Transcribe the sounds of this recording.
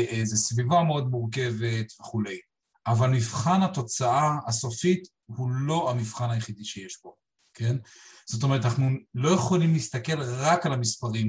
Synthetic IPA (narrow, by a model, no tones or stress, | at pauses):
ʔezesvivameo̞d̪muʁk̬e̞ve̞t̪ve̞χule̞j | ʔavalmivχanat̪o̞t͡saʔaːso̞fit̪ | hulo̞amivχanajeχid̪iʃeje̞ʃbo̞ | ke̞nz̥ot̬o̞me̞ʁt̪̬anaχnulo̞jeχo̞limliist̪ake̞lʁakalamispaʁim